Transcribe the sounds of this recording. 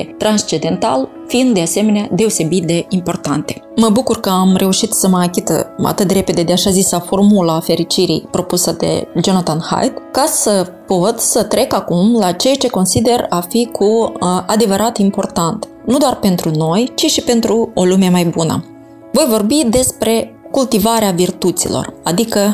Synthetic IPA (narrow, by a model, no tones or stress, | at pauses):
et̪ɾanst͡ʃed̪e̞nt̪al | fiind̪d̪e̞ase̞me̞nead̪e̞o̞se̞bit̪̚d̪e̞impo̞rt̪ant̪e̞məbukurkəamre̞uʃit̪səməakʲit̪əa̰t̪ɨt̪d̪re̞pe̞d̪e̞d̪eaʃazisafo̞rmulaːfe̞ɾit͡ʃiɾḭjpɾo̞pusəd̪e̞̰d͡ʒo̞nat̪anha̰jd̪kasəpo̞t̪sət̪ɾe̞kakumlat͡ʃe̞jat͡ʃe̞ko̞nsid̪e̞rafikʰuad̪e̞vəɾat̪impo̞rt̪ant̪ | nud̪owarpe̞nt̪ɾuno̞jt͡ʃiʃipe̞nt̪ɾuo̞lume̞majbunə̰ | vo̞jvo̞rbid̪e̞spɾe̞kult̪ivaɾeavirt̪ut̪sḭlo̰rad̪ikə